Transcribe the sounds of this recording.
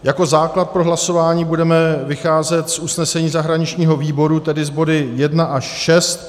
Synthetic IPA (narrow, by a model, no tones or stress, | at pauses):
jako̞zaːklat̪̚pɾo̞ɦlaso̞vaːɲiːbudɛmɛvɪxaːzɛt̪sʔusnɛsɛɲiːzaɦɾaɲɪt͡ʃɲiːɦo̞viːbo̞ɾut̪ɛdɪzbo̞dɪjɛdnaʔaʃʃɛst̪̚